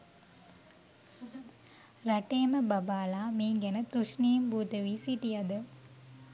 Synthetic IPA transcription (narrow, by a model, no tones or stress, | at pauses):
ɾɐʈːeːmɐbɐbaːlaːmiːŋɡɐnɐt̪ɾuʂniːmbuːt̪ɐʋiːsiʈijɐd̪ɐ